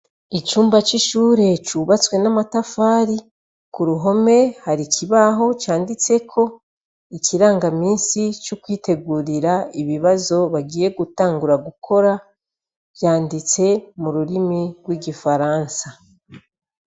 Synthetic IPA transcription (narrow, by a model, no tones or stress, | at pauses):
it͡ʃuːmbat͡ʃiʃuːɾe̞t͡ʃuːβat͡swe̞namatafaːɾi | kuɾuɦo̞me̞haɾicʰiβaɦo̞t͡ʃaːndit͡se̞kʰo̞ | iciɾaːŋɡamiːnsit͡ʃukwiːte̞ɡuɾiɾaiβiβazo̞βaɡiːje̞ɡutaːŋɡuɾaɡukʰo̞ɾa | βjaːndit͡se̞muɾuɾimiɡwiːɡifaɾaːnsa